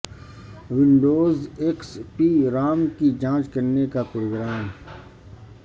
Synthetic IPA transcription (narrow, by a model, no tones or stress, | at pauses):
ʋɪ̃ɳɖoːzekspiɾaːmkid͡ʒãːt͡ʃkɐɾnekapɾoːɡɾaːm